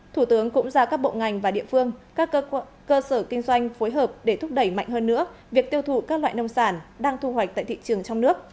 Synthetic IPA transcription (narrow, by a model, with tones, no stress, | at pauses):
t̪ʰu˧˩t̪ɨ˨˦əŋkʊ̰˧˥ŋ͡mzaː˧kaː˦˥k̚ɓo̰˧˨ŋa˨˩jŋ̟vaː˨˩ɗḭ˧˨əfɨ˧əŋkaː˦˥k | kəː˧səː˧˩kï˧ŋ̟zwa˧jŋ̟fo˨˦jɦəː˨˩p̚ɗe˧˩t̪ʰʊ˦˥k͡p̚ɗə˧˩jma̰˧˨jŋ̟ɦəː˧nːɨ̰˧˥əvi˨˩ək̚t̪i˧əwt̪ʰu˧˩kaː˦˥k̚lwa̰ː˧˨jnə˧wŋ͡msaː˧˩nɗaː˧ŋt̪ʰu˧hɦwa˨˩k̚t̪ːt̪ḭ˧˨t͡ɕɨ˨˩əŋt͡ɕɔ˧wŋ͡mnɨ˦˥ək̚